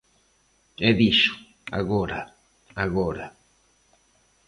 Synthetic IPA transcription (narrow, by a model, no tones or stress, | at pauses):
eðiʃʊ̥ | a̰ɣoɾa | aɣoɾa